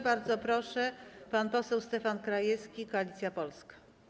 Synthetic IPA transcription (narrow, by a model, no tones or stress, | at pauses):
baɾd̪zɔpɾɔʂɛpanpɔsɛwst̪ɛfankɾajɛskʲikɔalʲit̪sʲjapɔlskḁ